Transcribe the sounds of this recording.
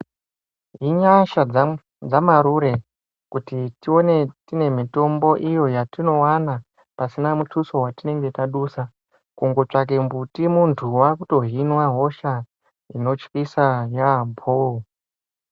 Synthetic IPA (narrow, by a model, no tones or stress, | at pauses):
ɦiɲaʃa | d͡zamaɾuɾe̞ | kutitio̞ne̞tine̞mito̞mbo̞ʔijo̞jatino̞wana | pasinamutʰuso̞ɦwatine̞ŋɡe̞taɗusa | kuŋɡo̞t͡ʂak̬e̞mbutimuntʰuwakuto̞ɦinwaɦo̞ʃa | ino̞t͡ʃkisajambʰo